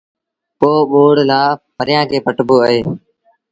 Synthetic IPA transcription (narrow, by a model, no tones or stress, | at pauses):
poːɓoːɽlaːpʰəɾɪjãːkʰeːpəʈboːəɦeː